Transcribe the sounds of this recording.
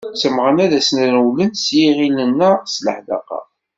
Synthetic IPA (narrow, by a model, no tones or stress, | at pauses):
t͡sːəmʁənæðæsnænwlənsjiʁilənːæsləħd̪ɑ̰qɑ̰